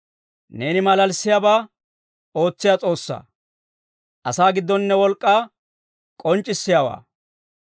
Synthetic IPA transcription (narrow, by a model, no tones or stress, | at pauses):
ne̞ːnɪmɐlɐlsːɪjaːbaː | o̞ːt͡sːɪjat͡sʼo̞ːsːa̰ː | ʔɐsaːɡɪd̪ːɔnːɛwɔlkʼːaː | kʼɔnt͡ʃʼːɪsːɪjaːwa̰ː